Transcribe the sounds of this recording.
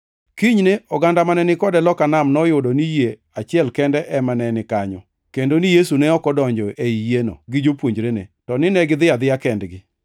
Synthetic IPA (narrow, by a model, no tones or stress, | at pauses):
kiɲneɔɡandamanɛnɪkɔdɛlɔkanamnɔjʊdɔnije | at͡ʃɪɛlkɛndɛʔɛmanɛnɪkaɲɔ̰ | kendonijesunɛɔkɔdɔɲd͡ʒɔʔeijeno̰ɡɪd͡ʒopwoɲd͡ʒɾenetɔnɪnɛɡɪd̪ɪad̪ɪjakɛndɡɪ